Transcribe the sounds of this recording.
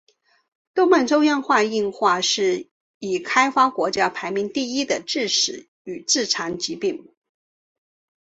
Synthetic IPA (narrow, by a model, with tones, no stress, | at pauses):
t̪o˥ma˥˩nʈ͡ʂo˥jɑ˥˧nxwa˥˧i˥˧nxwa˥˧ʂɻ̩˥˩ | i˨˩kʰa˥ɪfa˥kwɔ˧˥t͡ɕja˥pʰa˧˥ɪmi˧˥ŋt̪i˥˧i˥d̪ə˨ʈ͡ʂɻ̩˥˩ʂɻ̩˨˧˥ | y˨˩t͡sɹ̩˥˩ʈ͡ʂʰa˧˥nt͡ɕi˧˥pi˥˩ŋ